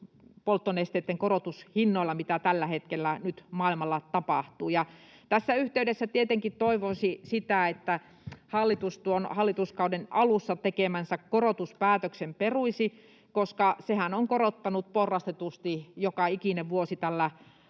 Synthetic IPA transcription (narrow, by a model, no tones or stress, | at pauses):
polt̪ːoneˑst̪eˑt̪ːeŋkorot̪ushinːoilːɑmit̪æt̪ælːæhet̪kelːænyt̪mɑˑilmɑlːɑt̪ɑpɑˑht̪uːjɑ | t̪æsːæyht̪eydesːæt̪iet̪eŋkitt̪oiʋosisit̪æˑet̪ːæ | hɑlːit̪ust̪uonhɑlːit̪uskɑudenɑlusːɑt̪ekemænsækkorot̪uspæːt̪øksemperuisi | koskɑsehænoŋkorot̪ːɑnut̪̚porːɑst̪et̪ust̪ijokɑikineʋʋuosit̪ælːæ